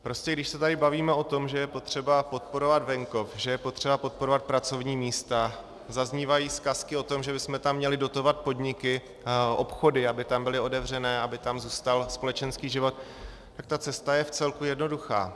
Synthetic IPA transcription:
pɾo̞scɛɡdɪʃsɛt̪adɪbaviːmɛo̞t̪o̞mʒɛjɛpo̞t̪r̝̥ɛbapo̞t̪̚po̞ɾo̞vad̪vɛŋko̞fʒɛjɛpo̞t̪r̝̥ɛbapo̞t̪̚poɾo̞vat̪̚pɾat͡so̞vɲiːmiːst̪a | zazɲiːvajiːskaskɪo̞t̪o̞mʒɛbɪsmɛt̪amːɲɛlɪdo̞t̪o̞vat̪̚po̞dɲɪkɪ | ʔo̞pxo̞dɪabɪt̪ambɪlɪo̞dɛvr̝ɛnɛːabɪt̪amzuːst̪alspo̞lɛt͡ʃɛnskiːʒɪvo̞t̪ | t̪ak̚t̪at͡sɛst̪ajɛft͡sɛlkujɛdno̞duxa̰ː

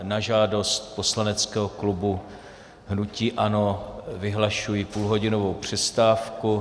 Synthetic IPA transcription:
naʒaːdo̞st̪po̞slanɛt͡skɛːɦoklubu | ɦnuciːʔano̞vɪɦlaʃujipuːlɦo̞ɟɪnovo̞wpr̝̥ɛst̪aːfku

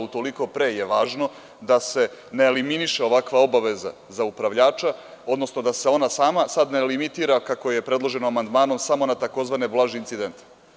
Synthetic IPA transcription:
ut̪o̞liko̞pɾeːje̞ʋaːʒno̞ | d̪ase̞neːliminiʃeo̞ʋakʋao̞baʋe̞za̰ | zaupɾaʋʎaːt͡ʃaod̪no̞sno̞d̪ase̞o̞nasaːmasad̪nelimit̪iːɾakako̞je̞pɾe̞dlˠo̞ʒe̞noamand̪maːno̞msamo̞nat̪ako̞zʋaneblˠaːʒiint̪sid̪e̞nt̪

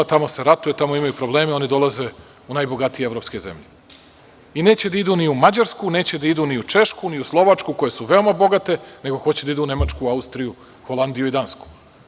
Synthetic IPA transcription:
t̪amo̞seɾat̪ujet̪amo̞imajupɾoble̞ːmeo̞nid̪o̞lˠaze̞ | unaːjbo̞ɡat̪ijeevɾo̞pske̞zḛmʎe | ine̞ːt͡ɕe̞d̪aid̪uniumad͡ʑaɾskune̞ːt͡ɕed̪aid̪uniut͡ʃe̞ʃkuniuslˠo̞ʋat͡ʂkuko̞je̞suʋe̞o̞mabo̞ɡat̪e̞ne̞ɡo̞xo̞t͡ɕed̪aid̪uune̞mat͡ʃkuaust̪ɾiju | xo̞lˠand̪ijuid̪ansku̥

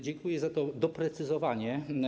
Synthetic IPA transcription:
d͡ʑɛŋkujɛzat̪ɔd̪ɔpɾɛt̪sɨzɔvaɲɛ

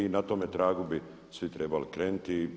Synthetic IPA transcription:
inat̪oːmet̪ɾaːɡubi | sʋit̪ɾeːbalikɾeːnut̪iː

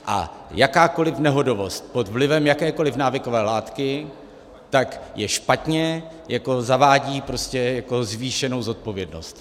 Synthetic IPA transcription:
ʔa̰jakaːko̞lɪfnɛɦo̞do̞vo̞st̪̚po̞t̪vlɪvɛmjakɛːko̞lɪfnaːvɪko̞vɛːlaːt̪kɪ | t̪akjɛʃpat̪ɲɛ | jako̞zavaːɟiːpɾo̞scɛjako̞zviːʃɛno̞wzo̞t̪̚po̞vjɛdno̞̰st̪

